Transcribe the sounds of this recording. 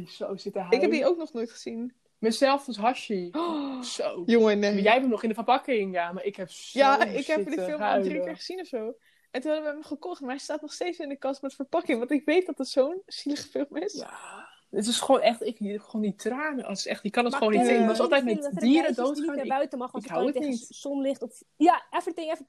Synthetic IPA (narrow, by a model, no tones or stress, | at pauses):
sowsɪtəɦɪkɛpdiowknɔχnojtχəz̥in | məzɛlˠfɔsɦɑʃi | sowjoŋənjɛjbɛnnɔχɪndəfərpɑkɪŋjaːmaɹɪkɦɛpjaɪkɦɛdiəfɪlˠmadrikɪɹχəzinɔfsow | ɛntunhɑdəʋəɦɛmχəkɔχtmaɹɦɛjstaːtnɔχstejtsɪnəkɑsmɛtfəɹpɑkɪŋʋɑ̃ntɪkʋejt̚dɑtdətsownz̥iləχəfɪlˠmɪsa̰ | ətɪsχoːnɛχtɪkɛχʋoːnditraːnəɔ̰ɪsɛχtɪkːɑnɔtχʋoːnitɪɔsɑlˠtɛjtmɛiːɾədowtaːnbœɥtəmɑχɪkɦawətnitsɔmlɪχtɔf | jaɛfətɪŋɛf